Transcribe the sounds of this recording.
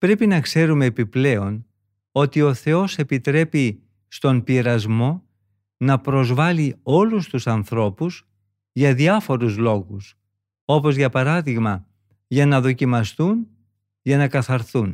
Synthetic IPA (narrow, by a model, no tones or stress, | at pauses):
pɾe̞pinɐkse̞ɾume̞ːpiple̞o̞n | o̞t̪io̞θe̞o̞se̞pit̪ɾe̞pi | st̪o̞mpiɾɐzmo̞ | nɐpɾo̞zvɐlio̞lust̪usɐnθɾo̞pus | ʝɐðiɐfo̞ɾuzlo̞ɣus | o̞po̞zʝɐpɐɾɐðiɣmɐ | ʝɐnɐðo̞cimɐst̪un | ʝɐnɐkɐθɐɾθun